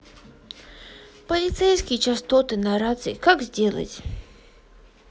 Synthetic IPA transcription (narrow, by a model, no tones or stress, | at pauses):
pəlʲɪt̪sɛjskʲɪjt͡ɕast̪ot̪ɨnaɾat̪sɨkakzʲdʲelˠə̰tʲ